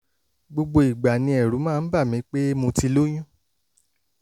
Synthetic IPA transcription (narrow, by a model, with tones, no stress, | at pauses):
ɡ͡bo˧ɡ͡bo˧i˨ɡ͡ba˨nĩ˧ɛ˨ɾu˨˦mãː˦˨n̩˦ba˦˨mĩ˨˦k͡pe˦mũ˧ti˧lo˦j̃ũ˦